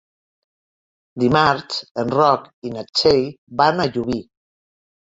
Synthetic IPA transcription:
d̪imaɾt͡ʃənrɔkinat͡ʃejbanaʎuβi

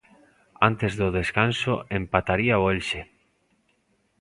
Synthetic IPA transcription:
ant̪ezðoð̞eskansoempat̪aɾiaoelʃe

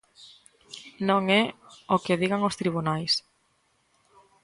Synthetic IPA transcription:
nõŋɛokɪðiɣaŋost̪ɾiβ̞unajs

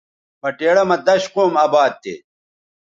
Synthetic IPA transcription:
pɐʈeːɽɐmɐd̪ɐɕqoːmaːbaːd̪̚t̪ḛː

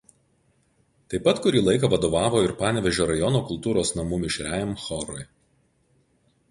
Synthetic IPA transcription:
t̪ɐɪpːɐt̪kʊɾʲiːlˠɐɪk̬ɐˑʋɐd̪oːʋɑːʋoːɪɾpɑːnʲʋʲɛʒʲoːɾɐjɔnoːkʊlˠt̪uːɾoːsnɐmuːmʲɪʃʲɾʲæjmxɔɾɔɪ

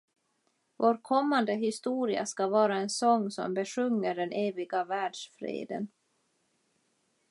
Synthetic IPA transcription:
voːɾkʰɔmːand̪əɦɪst̪uːɾɪa̰skavɑːɾaɛnsɔŋːsɔ̰mbɛʂɵŋːəɖɛnʔeːvɪɡavæːɖʂfɾḛːd̪ə̰n

